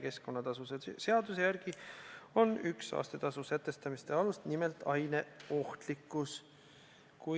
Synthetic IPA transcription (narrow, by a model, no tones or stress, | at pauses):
ke̞sko̞nːɑt̪ɑsusese̞ɑd̪̥us̬e̞jæɾɡ̥io̞nyksɑ̰ːst̪et̪ɑsuset̪ːe̞st̪ɑmist̪e̞ɑlust̪nimelt̪ˑɑjne̞o̞ht̪likːˑus | ku